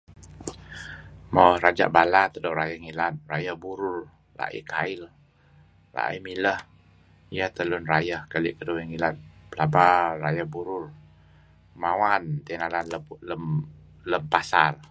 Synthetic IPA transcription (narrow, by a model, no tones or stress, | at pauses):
maɾad͡ʒa̰ʔbalat̪ədoʔɾajəhŋilat̪̚rajəhbuɾʊr | la̰ʔḭkʰaɪl | la̰ʔḭmiləh | ijəht̪əlʊnrajəhkəliʔkəduiŋilat̪̚pəlabara̰jəhbuɾʊr | mawant̪inalanələm | ləmpasal